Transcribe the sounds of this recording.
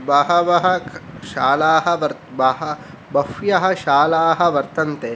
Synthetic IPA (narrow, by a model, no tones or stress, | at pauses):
bɐɦɐʋɐɦɐʃaːlaːɦɐʋɐɾbɐɦɐ | bɐfjɐɦɐ̆ʃaːlaːɦɐʋɐɾt̪ɐnt̪e